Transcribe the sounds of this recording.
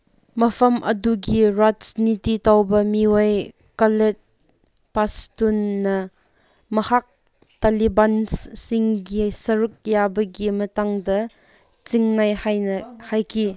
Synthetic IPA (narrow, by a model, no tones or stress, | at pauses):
mɐpʰɐmʔɐduɡiɾasnititawbɐmiwaj | kalet̚ | pastunːɐ | mɐhak̚ | talibanssɪŋɡisɐɾuk̚jabɐɡimɐtaŋdɐ | t͡siŋnajhajnɐhajki